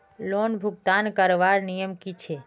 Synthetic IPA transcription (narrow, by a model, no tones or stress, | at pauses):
lonbʱʊɡ̚t̪ankəɾʋaɾnijəmkit͡ʃʰe